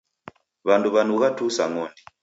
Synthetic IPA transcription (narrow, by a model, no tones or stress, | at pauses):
βanduβanuɣatusaŋɔndi